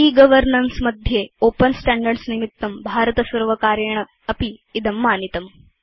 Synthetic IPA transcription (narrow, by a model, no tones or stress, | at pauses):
iːɡɐʋəɾnɐnsmɐd̪ʱjeopənsʈæɳɖəɾɖsnimit̪ːɐmbʱaɾət̪ɐsɐɾʋɐkaːɾjɐɳ̃ə | ɐpiːd̪ɐmːaːnit̪ɐm